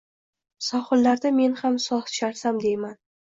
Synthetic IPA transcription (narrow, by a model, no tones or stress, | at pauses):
sɒχɨlːaɾd̪ame̞nhamsɒχʃaɾsamd̪e̞jman